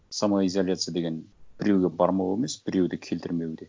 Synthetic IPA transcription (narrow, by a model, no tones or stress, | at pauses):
samuaizolʲjat̪sɨjad̪e̞ɡʲe̞nb̥ɪɾewɡʲe̞bɑɾmɑwemesb̥ɪɾe̞wd̪ɪkʲʰe̞lt̪ɪɾme̞wd̪e